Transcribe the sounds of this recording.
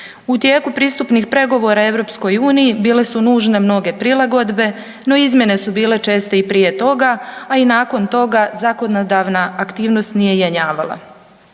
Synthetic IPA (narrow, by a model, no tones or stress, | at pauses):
ut̪je̞ːkupɾiːst̪upnixpɾe̞ɡo̞ʋo̞ɾae̞ʋɾo̞ːpsko̞juːnijibiːle̞sunuːʒne̞mno̞ɡe̞pɾilˠaɡo̞d̪be̞ | no̞izmʲje̞ne̞subiːle̞t͡ʃe̞ːst̪eipɾiːje̞t̪o̞ɡaainaːko̞nt̪o̞ɡazako̞nod̪aʋnaakt̪iːʋno̞st̪nije̞jeɲaːʋa̰lˠa̰